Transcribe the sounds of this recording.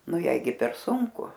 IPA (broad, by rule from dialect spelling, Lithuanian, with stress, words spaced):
ˈnʊ ˈjɛɪ ɡʲɪ pʲɛr ˈsʊŋkʊ